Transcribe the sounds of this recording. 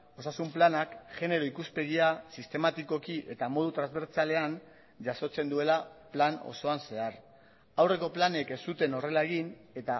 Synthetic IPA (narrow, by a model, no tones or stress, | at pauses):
o̞sasumplanakʝe̞ne̞ɾo̞ikuspe̞ɣ̞iasist̪e̞mat̪iko̞kiʔe̞t̪amo̞ð̞ut̪ɾanzβe̞ɾt͡sale̞an | ʝaso̞t͡se̞nd̪ue̞laplano̰so̞anse̞ar | awre̞ko̞plane̞ke̞st̪ut̪e̞no̞re̞lae̞ɣ̞ine̞t̪a